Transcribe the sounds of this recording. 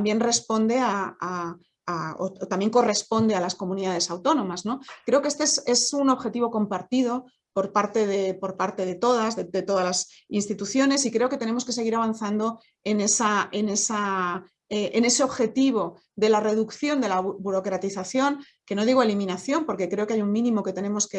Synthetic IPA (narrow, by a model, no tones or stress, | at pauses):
t̪mbje̞nre̞spo̞nd̪e̞aa | ao̰t̪ambje̞ŋko̞re̞spo̞nd̪e̞alasko̞mũniðað̞e̞sawt̪o̞nõ̞mazno̞kɾe̞o̞kee̞st̪eese̞suno̞βxe̞t̪iβo̞ko̞mpaɾt̪iðo̞ | po̞ɾpaɾt̪e̞ðepo̞ɾpaɾt̪e̞ð̞e̞t̪o̞ð̞azðed̪e̞t̪o̞ðazlas | inst̪it̪uθjo̞ne̞sikɾe̞o̞ket̪e̞nemo̞ske̞se̞ɣiɾaβ̞anθand̪o̞ | e̞ne̞sae̞ne̞sa | eʔene̞se̞o̞βxe̞t̪iβ̞o̞ | ðe̞lare̞ðukθjo̞nd̪e̞laβuɾo̞kɾat̪iθaθjo̞ŋ | ke̞no̞ðiɣoe̞limĩnaθjo̞mpo̞ɾke̞kɾe̞o̞keajuŋmĩnĩmo̞ke̞t̪e̞ne̞mo̞ske